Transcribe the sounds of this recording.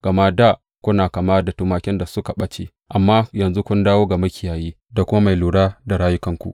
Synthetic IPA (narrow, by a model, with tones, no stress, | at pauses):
ɡ̥ɐ˨maː˦da˦˨ | kʷʊ˦naː˨ka˨maː˦da˨tuː˦maː˨kʲɪ˦nda˨sʊ˦ka˨ɓɐ˦t͡ʃḛː˦ | ʔa˨mːaː˦jɐ˨nzu˦kʷʊ˦ndaː˦woː˦ɡa˨mɐ˦kʲɪ˨jaː˨jiː˦ | da˨kʷʊ˦ma˦ma˨jluː˨ɽaː˦da˨ɽaː˦jʊ˦kɐ˨ŋkʷṵ˦ʔ